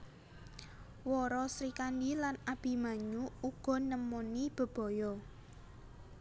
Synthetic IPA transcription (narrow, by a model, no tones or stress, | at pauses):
wɔɾɔsɾikandilanab̥i̤maɲuuɡ̥ɔ̤nəmɔnib̥ə̤b̥ɔ̤jɔ